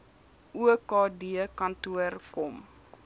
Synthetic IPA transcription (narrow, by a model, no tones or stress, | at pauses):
ʔuəkɑːdiəkɐntuərkɔm